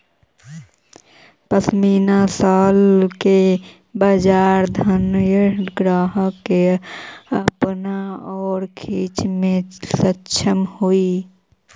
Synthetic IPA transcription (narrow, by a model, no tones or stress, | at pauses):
pəsmiːnasaːlke | bad͡ʒaːɾd̪ʱənjəɡɾaːɦəke | əpnaɔːɾkʰiːt͡ʃmẽsətːt͡ʃʰəmhui